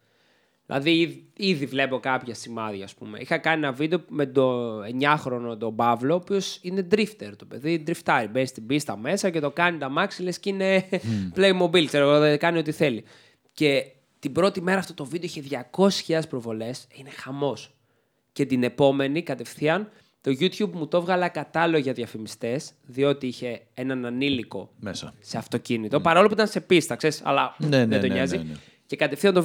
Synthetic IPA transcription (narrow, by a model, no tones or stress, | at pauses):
ðilʔɐ̰ðiiðiiðivle̞po̞kɐpçɐsimɐðʝɐːspume̞̰ixɐkɐnienɐvid̪eomet̪oeɲɐxɾo̞not̪o̞bɐvloːpio̞sine̞d̪ɾift̪eɾt̪o̞pe̞ðid̪ɾift̪ɐɾibenst̪ibist̪ɐme̞sɐce̞t̪o̞kɐnit̪ɐmɐksilescine̞pleimo̞bilkseɾoɣoðekɐnio̞t̪iθe̞li | ce̞ | t̪ibɾo̞t̪ime̞ɾɐːft̪ot̪o̞vid̪eiçeðʝɐko̞si̥sçiɐðespɾo̞vo̞le̞sine̞xɐmo̞s | ce̞t̪ine̞po̞me̞nikɐt̪e̞fθiɐn | t̪o̞ʝut̪çubmut̪o̞vɣɐlɐkɐt̪ɐloʝɐðjɐfimist̪e̞sðio̞t̪iiçe̞enɐnɐniliko̞mesɐseɐft̪o̞cinit̪o̞pɐɾɐolop̬uit̪ɐnse̞pist̪ɐkse̞ɾisɐ̰lɐnðed̪oɲɐzi | ce̞kɐt̪e̞fθiɐnt̪o